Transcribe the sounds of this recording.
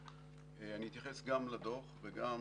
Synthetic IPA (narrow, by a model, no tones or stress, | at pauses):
eaniit̪jaχesɡamlad̪o̞χveɡa